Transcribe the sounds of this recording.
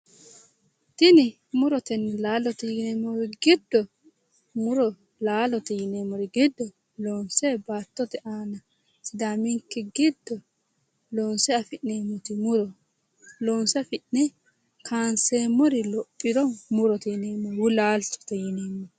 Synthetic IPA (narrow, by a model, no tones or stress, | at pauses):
t̪ɪnɪ | mʊɾɔt̪ɛnɛlaːlɔt̪ɪneːmːɔɾɪɡɪd̪ːɔ | mʊɾɔ | laːlɔt̪ɪjɪneːmːɔɾɪɡɪd̪ːɔ | loːnsɛbaːt̪ːɔt̪ɛʔaːnɐ | sɪd̪aːmɪŋkːɛɡɪd̪ːɔ | loːnsɛɐfɪʔneːmːɔt̪ɪmʊɾɔ | loːnsɐfɪʔnɛ | kʰaːnseːmːɔɾɪlɔpʼːɪɾɔmʊɾɔt̪ɪjɪneːmːɔɾwʊlaːlt̪ɔ̥t̪ɛjɪneːmːɔ